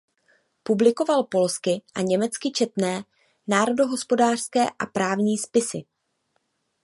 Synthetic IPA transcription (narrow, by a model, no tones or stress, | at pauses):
publɪko̞valpo̞lskɪʔaɲɛmɛt͡skɪt͡ʃɛt̪nɛː | naːɾo̞do̞ɦo̞spo̞daːr̥skɛːʔapɾaːvɲiːspɪsɪ̰